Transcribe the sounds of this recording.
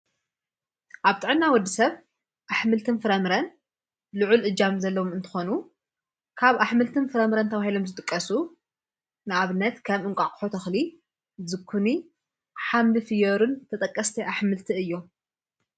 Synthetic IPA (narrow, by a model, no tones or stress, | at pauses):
ʔaβt̪ʼɨʕɨnːawɔd̪ːisɐβ | ʔaħmɨlt̪ʰɨnfɨɾɐmɾɐn | lɨʕulʔɨd͡ʒamzɐlːɐwomɨnt̪ʰɨ̥xo̞nu | kʰaβʔaħmɨlt̪ʰɨnfɨɾɐmɨɾɐnt̪ʰɐβahilo̞mzɨt̪ʼɨkʼːɐsu | nɨaβɨnːɐt̪kʰɐmɨŋkʷʼakʼħot̪ʰɐxli | zɨkʰːuni | ħamlɨfɨjoɾunt̪ʰɐt̪ʼɐkʼːɐst̪ʰiʔaħmɨlt̪ʰiɨjːo